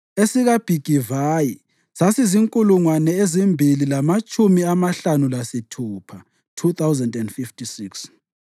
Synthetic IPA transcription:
esiɣab̥ʱiɡ̥ʱivaːji | sasiziŋkʼuluŋwanɛezimbʱililamat͡ʃʼumiamaɬanulasitʰuːpʰa | tʰut̪ʰawzɛndɛndfiftisiks

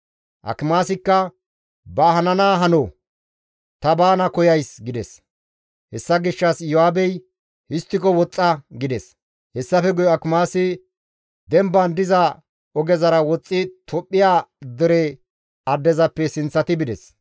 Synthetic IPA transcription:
ʔɐ̰kɪmaːsɪkːɐ | bɐːhɐnɐnaːɦɐnoː | t̪ɐbaːnɐkɔjɐjsɡɪd̪ɛs | hɛsːɐɡɪʃːɐsjɔaːbɛj | ʔɪst̪ːɪkɔwɔt͡sʼːɐɡɪd̪ɛs | hɛsːɐfɛɡʊjɔɐkɪmaːsɪ | d̪ɛmbɐnd̪ɪzɐ | ɔɡɛzɐɾɐwɔt͡sʼːɪt̪ʰɔpʼːɪjaːd̪ɛɾɛ | ɐd̪ːɛzɐpːɛsɪnt͡sːɐt̪ɪbɪd̪ɛs

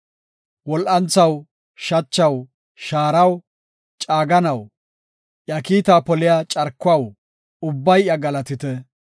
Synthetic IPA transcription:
wɔlʔɐnt͡sɐw | ʃɐt͡ʃːɐw | ʃaːɾɐw | t͡ʃʼaːɡɐnɐw | ʔjɐkiːt̪aːpɔlɪjat͡ʃʼɐɾkːʊɐw | ʊbːɐjjɐɡɐlɐt̪ɪt̪ɛ

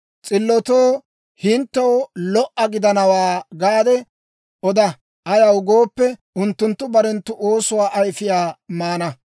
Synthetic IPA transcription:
t͡sʼɪlːɔt̪oː | hɪnt̪ːɐwlɔʔːɐɡɪd̪ɐnɐwaːɡaːd̪ɛ | ʔɔd̪ɐ | ʔɐjɐwɡoːpːɛ | ʊnt̪ːʊnt̪ːʊbɐɾɛnt̪ːʊʔo̞ːsʊwaːʔɐjfɪjaːmaːnɐ

